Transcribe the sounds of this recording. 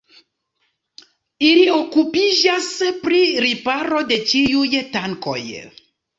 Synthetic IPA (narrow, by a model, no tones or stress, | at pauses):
iliokupiʒaspɾiɾipaɾodet͡ʃijujetaŋko̰j